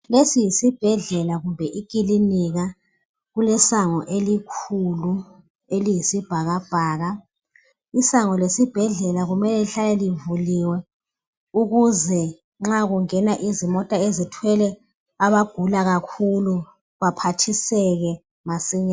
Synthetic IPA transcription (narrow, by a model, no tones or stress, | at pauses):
lesijisib̥ʱɛɮɛlaɣumbʱɛʔiɡ̥ʼʱiliniɣa | ɣulɛsaŋɔʔelikʰulu | elijisib̥ʱaɣab̥ʱaːɣa | isaŋɔlesib̥ʱɛɮɛlaɣumɛlɛliɬalɛlivuliwɛ | uɣuzɛ | ŋ͡ǁaɣuŋɛnaʔizimɔtʼaezitʰwɛlɛ | aβaɡ̥ʱulaɣakʰulu | βapʰatʰisɛɣɛ | masiɲa